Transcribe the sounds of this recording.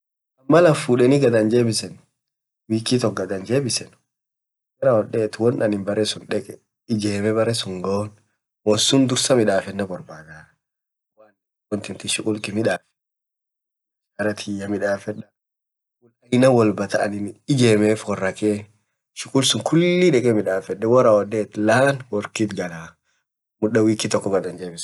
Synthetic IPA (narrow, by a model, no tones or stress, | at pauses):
ɐmːɐlɐfuːᶑɛnɪɡɐd̪ɐnd͡ʒeːbɪsɛn | wiːkːit̪ɔɡɐd̪ɐnd͡ʒe̞ːbɪsɛn | ɡɐɾɐwɔᶑɛːt̪ʊwɔnɐnɪnbɐɾɛsʊnᶑɛkʼɛ | ɪd͡ʒeːmɛbɐɾɛsʊŋɡoːn | wɔnsʊnd̪ʊɾsɐmɪᶑaːfɛnːɐbɔɾbaːd̪aː | waːn | wɔnt̪ɪnt̪ɪʃʊkʼʊlk̪ɪmɪᶑaːfɛ̥ | ʃkɐɾɐt̪ʰɪjːɐmɪᶑaːfɛᶑɐ | kʼʊlɐjnɐwɔlbɐt̪ɐʔɐnɪnɪd͡ʒeːmeːfwɔrːɐkeː | ʃʊkʼʊlsʊŋkʰʊlːiᶑɛkʼɛmɪᶑaːfɛᶑɛwɔɾawɔd̪eːt̪laːnwɔɾkit̪ɡɐlaː | mʊᶑɐwiːkːɪt̪ɔkːɔɡɐd̪ɐnd͡ʒeːmɪs